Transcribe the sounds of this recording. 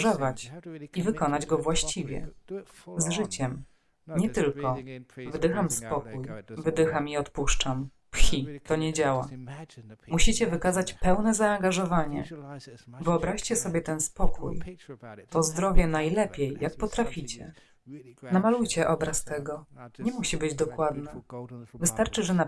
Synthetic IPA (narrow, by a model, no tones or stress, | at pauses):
ɔvat͡ɕivɘkɔnad͡ʑɡɔvwaɕt͡ɕivʲjɛ̰ | zʐɘt͡ɕɛm | ɲɛt̪ɘlkɔvd̪ɘxamspɔkujvɘd̪ɘxamiɔt̪puʂt͡ʂam | pxʲit̪ɔɲɛd͡ʑawa | muɕit͡ɕɛvɘkazat͡ɕpɛwnɛzaːŋɡaʐɔvaɲɛ̰ | vɘɔbɾaɕt͡ɕɛsɔbʲjɛt̪ɛnspɔkʰṵjt̪ɔzd̪ɾɔvʲjɛnajlɛpʲjɛjːak̚pɔt̪ɾafʲit͡ɕɛ | namalujt͡ɕɛʔɔbɾast̪ɛɡɔɲɛmuɕibɘd͡ʑd̪ɔkwad̪nɘvɘst̪aɾt͡ʂɘʐɛna